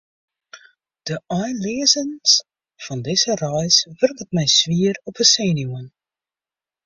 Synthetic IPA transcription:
d̥əɑjnliəzəns | fɑndɪzərɛjsʋɵrkətmɛjsʋiːərɔpəseːnjuən

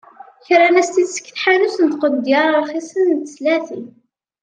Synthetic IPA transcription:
çɾanæst̪id̪sə̥kːθħanusənt̪qəd̪ːjiɾˤɑɾˤχisənt̪ə̥slæθi

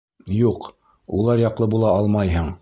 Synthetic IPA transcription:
juq | ulˠɑɾjɑqlˠɤbulˠɑɑlˠmɑjɦɤɴ

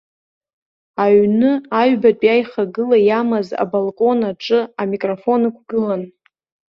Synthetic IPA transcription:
aɥnɨaɥbatʼjajχaɡɨlajamaza̰balˠkʼo̞naʈ͡ʂʼɨamikʼrofo̞nakʷʰɡ̥ɨlan

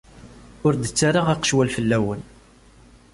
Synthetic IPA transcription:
ʊɾd̪ət͡sːaɾaʁaqə̥ʃwælfəlːæwən

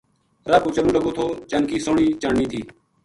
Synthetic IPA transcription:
ɾaːpuːt͡ʃənũːləboːt̪ʰoːt͡ʃənkiːsoːɳiːt͡ʃaːɳiːt̪ʰiː

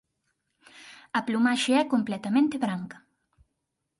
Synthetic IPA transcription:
ɐplumaʃeɛkomplɛt̪ɐmẽnt̪eβɾaŋkɐ̥

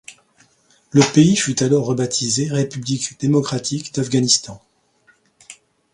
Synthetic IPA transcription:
ləpeifyt̪alɔʁːəbat̪ʰizeʁepyblikd̪̥emɔkχat̪ʰikd̪afɡanist̪ɑ̃

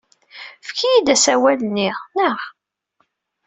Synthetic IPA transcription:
fkʰijid̪æsæwælənːiʁnəʁ

